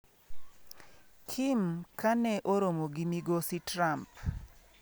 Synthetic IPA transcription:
kʰimkʰanɛʔoɾomoɡɪmiɡositɾamp

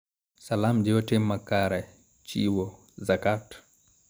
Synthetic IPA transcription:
salamd͡ʒɔtɛmakaɾa | t͡ʃiwɔ | zakat

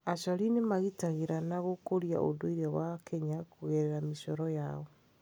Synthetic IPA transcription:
aɕɔɾinemaɣitaɣeɾanaɣokoɾja̰ʔo̰doiɾɛwakʰɛɲakuɣɛɾɛɾameʃɔɾɔjaɔ

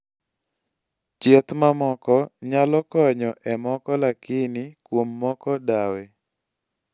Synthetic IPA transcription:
t͡ʃet̪mamɔkɔɲalɔkɔɲɔʔɛmɔkɔlakɪnɪkwomːɔkɔdawɛ

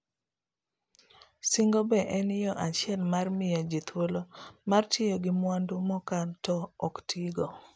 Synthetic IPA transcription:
siŋɡobɛʔɛnɪjɔʔat͡ʃjɛnmarmɪjad͡ʒit̪wolomartʰjejoɡɪmwandumɔkantɔɔktʰiɡo

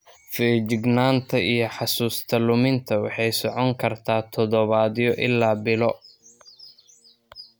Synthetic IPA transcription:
fɛːd͡ʒɪɡnaːnt̪ʰɐʔijɔħɑsuːst̪ʰɐlʊmɪnt̪ʰɐwɑ̰ħɑjsɔʕɔŋkʰɐrt̪ʰaːt̪ʰɔðɔβaːðijɔʔɪlːaːbɪlɔ

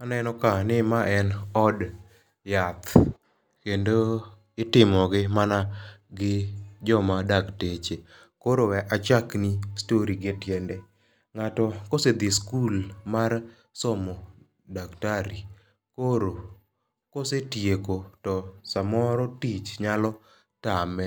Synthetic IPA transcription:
anɛnɔkanɪmaʔɛnɔd | jat̪ | kendo | ɪtɪmɔɡɪmanaɡɪd͡ʒɔmadaktet͡ʃe | koɾowɛʔat͡ʃaknistoɾiɡɪtjɛndɛ | ŋatɔkosed̪iskulmar | sɔmɔ | daktaɾi | koɾo | kosetjekotɔsamɔɾɔtit͡ʃɲalɔ | tamɛ

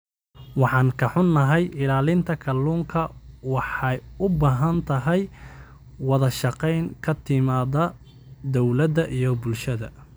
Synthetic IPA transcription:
wɑħɑːŋkʰɐħʊnːɐɦɛjʔɪlaːlɪnt̪ʰɐkʰɐlːuːŋkʰɐwɑħɑjʊbaːɦɐnt̪ʰɐɦɛj | wɑðɐʃɑqɛjŋkʰɐt̪ʰɪmaːðɐ | d̪ɔwlɐðɐʔijɞbʊlʃɐðɐ̰

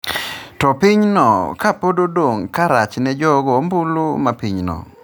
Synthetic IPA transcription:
tɔpiɲnɔ̰kapododwoŋkaɾat͡ʃnɛd͡ʒɔɡɔmbulumapiɲnɔ̰

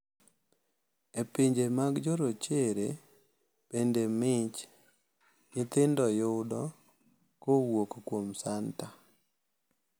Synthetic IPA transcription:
epiɲd͡ʒemaɡd͡ʒɔɾot͡ʃeɾe | b̥endemɪt͡ʃ | ɲɪt̪ɪndɔjʊdɔ | kowokkwomsanta

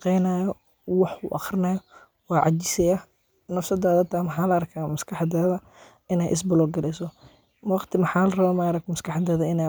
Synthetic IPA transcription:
qɛjnajɔ | wɑħʊʔɑχrɪnɐjɔ | wɑːʕɑ̰t͡ʃɪsɛja | nɐfsɐd̪aːðɐt̪ʰaːmɐħaːlɐɐrkʰaːmɐskʰɑħɑd̪ɛːðɐ | ɪnɛjʔɪ̰s̬bɐlɔːɡɐlɛsɔ | wɑqt̪ʰɪmɐħaːlɐrɐβamaːɾɐk̚mɐskʰɑħɑd̪ɛːðɐɪnɛ

